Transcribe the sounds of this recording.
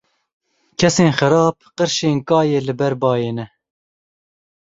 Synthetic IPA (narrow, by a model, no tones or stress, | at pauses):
kʲʰɛseːnxɨɾɑːp̚qəɾʃeːnkɑːjeːlɨbɛɾbɑːjeːnɛ